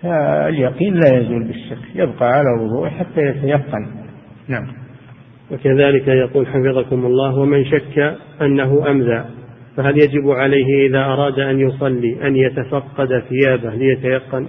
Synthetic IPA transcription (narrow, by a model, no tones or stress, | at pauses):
faɪ̰ljɑqiːnlaːjazuːlbɪʃːakːjɪbqɑʕalawʊðˤṵːʕħat̪ːajat̪ajɑqːɑn | naʕam | wakaðaːlɪkajɑquːlħafɨðˤɑkʊmʊlˤːɑːɦwamɪnʃakːa | ʔanːaɦʊʔamzaːʔfaɦaljad͡ʒɪbʕalajɦɪʔɪðaːʔɑɾˤɑːd̪ʔanjʊsˤɑlːiːʔanjat̪afɑqːɑd̪aθɪjaːbahlɪjat̪ajɑqːɑn